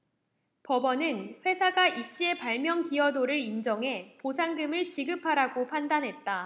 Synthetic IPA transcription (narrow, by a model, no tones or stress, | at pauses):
pʌbʌnɯnɸwe̞sʰaɡaʔiɕ͈ie̞paɭmjʌŋkiʌdoɾɯɾind͡ʑʌŋɦe̞posʰaŋɡɯmɯɭt͡ɕiɡɯpʰaɾaɡopʰandanɦe̞t̚t͈a